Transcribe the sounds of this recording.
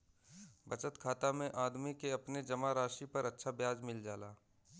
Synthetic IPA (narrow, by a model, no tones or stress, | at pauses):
bɐt͡ʃət̪kʰaːt̪amẽʔaːd̪mikeɐpned͡ʒɐmaɾaːʃipɐɾɐtːʃʰabjaːd͡ʒmɪld͡ʒaːlaː